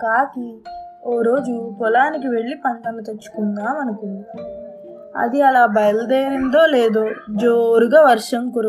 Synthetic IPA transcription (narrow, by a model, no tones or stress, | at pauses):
kaːkioːɾo̞ːd͡ʒukɔlaːnik̬iʋe̞ɭːipɐɳʈ̪ɐnɐt̪ɐt͡ʃːu̥kunːaːmɐnɐku | ɐ̰d̪iɐlaːbɐjɐlɐd̪eːɾind̪o̞ːleːd̪oːd͡ʒoːɾuɡɐʋɐɾʂɐmkuɾ